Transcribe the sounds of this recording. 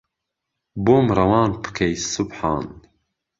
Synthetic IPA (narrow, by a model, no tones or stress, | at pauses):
boːmɾɐwɑːnpʰɨ̥kʰejsʊbħɑ̰ːn